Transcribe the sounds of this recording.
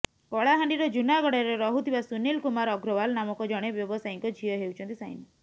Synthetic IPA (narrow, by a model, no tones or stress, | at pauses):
kɔɭaɦaɳɖiɾɔd͡ʒunaɡɔɽeɾeɾɔɦut̪ʰibasunilkumaɾɔɡɾɔbalnamɔkɔd͡ʒɔɽ̃ebjɔbɔsajiŋkɔd͡ʒʱiɔɦewt͡ʃʰɔnt̪isaj̰ni